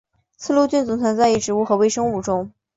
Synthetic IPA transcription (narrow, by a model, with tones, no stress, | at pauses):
t͡sʰɹ̩˥˧lu˥˧t͡ɕy˥˩nt͡sʊ˧˩˥ŋt͡sʰwa˧˥nt͡sa˥˧ɪi˥˩ʈ͡ʂɻ̩˧˥u˥˩xɤ˧˥we˥˧ɪʂɤ˥ŋu˥˩ʈ͡ʂʊ˥ŋ